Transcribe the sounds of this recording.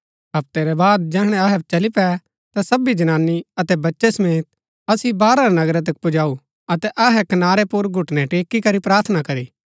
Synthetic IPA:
ɦɐp̚t̪eɾɛbaːd̪̚d͡ʒɛːɦɽ̃ɛ̃ɐɦɛt͡ʃɐlipɛ | t̪asɐbid͡ʒɐnaːnːiɐt̪ɛbɐtːʃɛsɐmeːt̪̚ | ɐsibaːɾaɾanɐɡɾɛt̪̬ɐk̚pʊd͡ʒaːu | ɐt̪ɛʔɐɦɛkɐnaːɾɛpʊɾɡʱʊʈnɛ̃ʈeːkːikɐɾipɾaːɾt̪ʰnakɐɾiː

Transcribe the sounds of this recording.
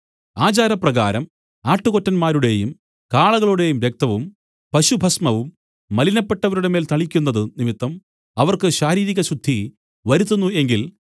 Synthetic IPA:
aːt͡ɕaːɾɐprɐɣaːɾɐm | aːʈːɨɣotːɐnmaːɾuɽe̞jum | kaːɭɐɣɐɭuɽe̞jumʋek̚t̪ɐʋum | pɐɕubʱɐsmɐʋumː | ɐlinɐpːe̞ʈːɐʋɐɾuɽe̞me̞ːlt̪ɐɭikʲːunːɐðɨnimit̪ːɐm | ɐʋɐrkɨɕaːɾiːɾiɣɐɕud̪ʱːi | ʋɐɾut̪ːunːue̞ŋɡil

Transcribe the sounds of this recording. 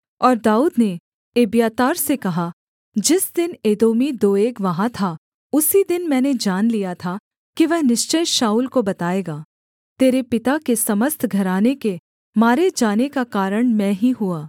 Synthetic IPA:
ɔːɾd̪aːuːd̪ne | eːbjaːt̪aːɾsekɐɦa | d͡ʒɪsd̪ɪneːd̪oːmid̪oːeːkʋɐɦãt̪ʰa | ʊsid̪ɪnmɛ̃ːned͡ʒaːnlijat̪ʰa | kiʋɛɦnɪʃt͡ʃəjʃaːuːlkobɐt̪aːeːɡaː | t̪eːɾepɪt̪akesɐməst̪ʰɡʱɐɾaːneke | maːɾed͡ʒaːnekakaːɾəɽ̃mɛ̃ːɦiɦuaː

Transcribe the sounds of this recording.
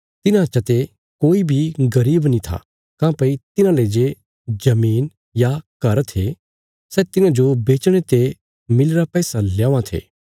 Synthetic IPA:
t̪ɪnãɐtːʃat̪e | koːibʱiɡɐɾiːbnĩt̪ʰa̰ | kãːpɐit̪ɪnãleːd͡ʒe | d͡ʒɐmiːn | jakɐɾt̪ʰe | sɛːt̪ɪnãd͡ʒobeːt͡ʃɽ̃et̪e | mɪlɾapɛːsaljaːãt̪ʰḛː

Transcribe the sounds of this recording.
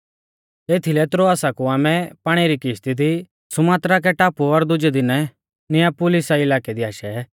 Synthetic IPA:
eːt̪ʰilɛt̪ɾoaːsakuaːmɛpaːɽ̃iɾikɪst̪id̪i | sʊmaːt̪ɾak̬ɛʈaːpuɔɾd̪ʊd͡ʒɛd̪ɪnɛ | nɪjãpʊlɪsaɪlaːkɛd̪iaːʃɛ

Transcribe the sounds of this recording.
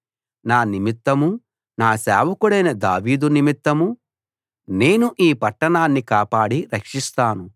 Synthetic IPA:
naːnimit̪ːɐmu | naːsɛ̰ːʋɐkuɽɐjnɐd̪aːʋiːd̪unimit̪ːɐmu | ne̞ːnuʔiːpɐʈːɐɳaːnːikaːpaːɽiɾɐkʂist̪aːnu

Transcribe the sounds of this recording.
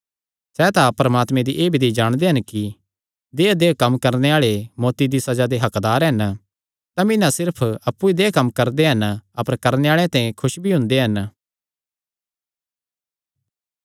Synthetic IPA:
sɛːt̪apɾɐmaːt̪mẽd̪iʔeːbʱid̪id͡ʒaːɽ̃d̪eɦɐnki | d̪eːd̪eːkɐmːkɐɾneaːɭemɔːt̪id̪isɐd͡ʒad̪eɦɐkd̪aːɾɦɐn | t̪ɐmɪ̃nãsɪɾpʰɐpːuid̪eːkɐmkɐɾd̪eɦɐnɐpəɾkɐɾneaːɭẽt̪ãːĩkʰʊʃbʱiɦʊ̃nd̪eɦɐn

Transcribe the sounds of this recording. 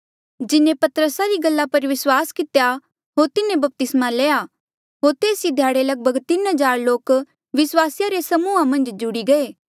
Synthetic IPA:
d͡ʒɪnẽpɐt̪ɾəsaɾiɡɐlːapɐɾʋɪswaːskɪt̪ja | ɦoːɾt̪ɪnẽbɐp̚t̪ɪsmaleːa | ɦoːɾt̪eːsid̪ʱjaːɽelɐɡ̚bʱəɡt̪ɪnɦəd͡ʒaːɾloːk | ʋɪswaːsjaɾesɐmuːamɐ̃nd͡ʒd͡ʒʊɽiɡɐeː

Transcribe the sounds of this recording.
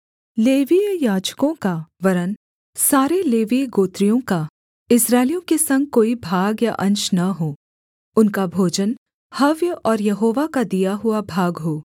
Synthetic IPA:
leːʋijaːd͡ʒkõkaʋɐɾən | saːɾeleːʋiɡoːt̪ɾijõka | ɪsɾaːɪlijõkesɐ̃ŋɡ̚koːibʱaːɡjaʔɐ̃ɲt͡ʃnɐɦoː | ʊnkabʱoːd͡ʒən | hɐʋjɔːɾjɐɦoːʋakad̪ijaɦʊabʱaːɡɦoː

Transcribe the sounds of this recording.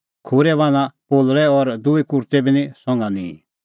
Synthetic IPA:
kʰʊɾɛbãnãpoːlɽɛɔɾd̪ʊikʊɾt̪ɛbinĩsɔ̃ŋɡãnḭ̃ː

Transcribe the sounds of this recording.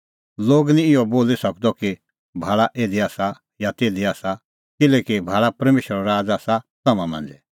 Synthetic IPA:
loːɡnĩɪjɔboːlisɐk̚d̪ɔki | bʱaːɭaʔeːd̪iaːsa | jat̪eːd̪iaːsa | kɪlɛːkibʱaːɭapɐɾmeːʃɾɔɾaːd͡zaːsasɐmãmɐ̰̃nd͡ʒɛ

